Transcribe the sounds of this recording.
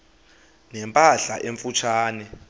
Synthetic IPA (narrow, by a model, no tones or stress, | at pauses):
nɛmpʼaɬaʔeɱfut͡ʃʰaːnɛ